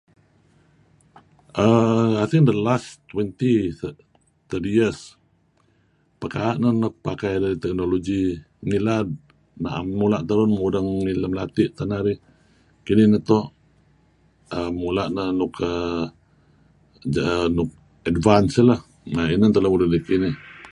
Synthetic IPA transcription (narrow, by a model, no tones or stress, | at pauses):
ʔəaθiŋd̪əlast̪wɛnt̪i | t̪ədijəs | pəkaːʔnənɔk̚pakajdaɾit̪ɛk̚nolod͡ʒi | ŋilad̚ | na̰ʔmulaʔt̪əɾʊnmudəŋiləmlat̪iʔt̪anaɾi | kinihnət̪ɔʔ | əmulaʔnənukə | d͡ʒənʊk̚ | ədvansələh | ainənt̪ələmudəndikini